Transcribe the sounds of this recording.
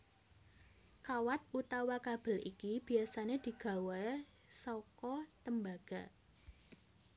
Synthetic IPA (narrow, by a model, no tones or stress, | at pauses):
kawat̪̚ʔut̪awakab̥ə̤likib̥i̤asaned̪̥i̤ɡ̥a̤we | sɔkɔt̪əmbaɡ̥a̤